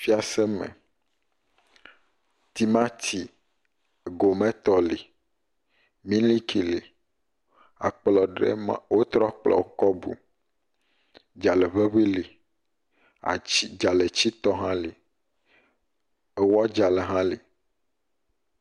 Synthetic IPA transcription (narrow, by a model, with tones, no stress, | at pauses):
fi˦a˨sɛ˦mɛ̰̃˨ | t̪i˨mã˦t̪ʰi˨ | ɡo˨mɛ̃˦t̪ɔ˦li˨ | mĩ˦li˦kʰi˨li˨ | a˨k͡plɔ˨ɖḛ˦mã̰˨wo˦t̪ɾɔ˦k͡plɔ̰˨˦kɔ˦bṵ˨ | d͡ʒa˨le˨βe˦ɸi˦li˨ | a̰˨i˦d͡ʒa˨le˨t͡ɕi˦t̪ɔ˦ɦã˦li˨ | e˨wa˦d͡ʒa˨le˨ɦã˦li˨